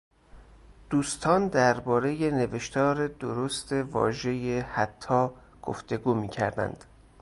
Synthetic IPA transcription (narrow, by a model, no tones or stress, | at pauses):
d̪̥uːst̪ʰɒːnd̪æɾbɒːɾe̞je̞ne̞veʃt̪ʰɒːɾed̪oɾost̪e̞vɒ̰ːʒe̞jehæt̪ʰːɒː | ɡ̥o̰ft̪e̞ɡuːmiːcʰæ̰ɾd̪æ̰nd̪̥